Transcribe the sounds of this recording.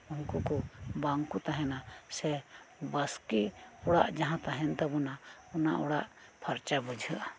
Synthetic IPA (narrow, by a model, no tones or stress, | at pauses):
uŋkukɔbaŋkut̪aɦɛnasɛbəskiɔɽaʔd͡ʒaɦãt̪aɦɛnt̪abɔnaɔnaʔɔɽaʔpʰəɾt͡ʃabud͡ʒʱəʔa